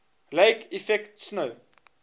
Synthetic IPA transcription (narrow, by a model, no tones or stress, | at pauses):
lɛjkʰifɛktsnəw